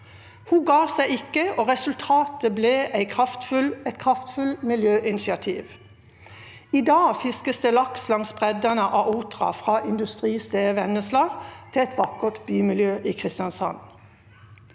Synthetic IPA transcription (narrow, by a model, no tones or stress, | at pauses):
huːɡɑːsæɪɪkəoːʁɛsʉlt̪ʰɑːt̪əbleːʔæɪkʰʁɑft̪fʉlɛt̪kʰʁɑft̪fʉlmɪljøːʔɪnɪsɪɑt̪ʰḭːʋ | iːd̪ɑːfɪskəsd̪eːlɑkslɑŋsbʁɛd̪ənəʔɑːʔuːt̪ʁɑ̰fʁɑːʔɪnd̪ʉst̪ʁiːst̪eːəʋɛnəslɑːɡt̪ʰɪɛt̪ʋɑkət̪byːmɪljøːʔiːkʰʁɪst̪ɪjɑnsɑ̰n